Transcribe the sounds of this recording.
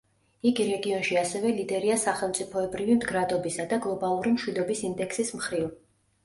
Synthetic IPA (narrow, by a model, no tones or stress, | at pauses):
iɡiɾɛɡiɔnʃiasɛvɛlid̪ɛɾiasaχɛlˠmt̪sʼipʰɔɛbɾivimd̪ɡɾad̪ɔbisad̪aɡlˠɔbalˠuɾimʃwid̪ɔbisind̪ɛksismχɾiv